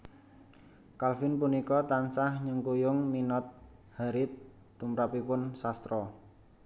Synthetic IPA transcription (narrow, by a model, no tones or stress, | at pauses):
kalfɪnpunikɔt̪ansahɲəŋkujʊŋminɔt̪̚ | haɾɪt̪̚ː | umɾapipʊnsast̪ɾɔ